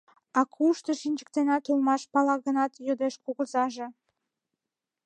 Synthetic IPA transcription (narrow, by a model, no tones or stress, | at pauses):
ɑkʰuʃt̪əʃinʲt͡ɕə̥k̚t̪enɑt̪ulmɑʃpɑlɑɣənɑt̪jod̪eʃkuɣəzɑʒe